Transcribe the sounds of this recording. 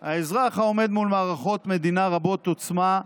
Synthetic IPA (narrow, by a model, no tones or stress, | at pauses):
haezʁaχao̞me̞d̪mulmaːʁaχo̞t̪me̞d̪inaʁabo̞t̪o̞t͡sma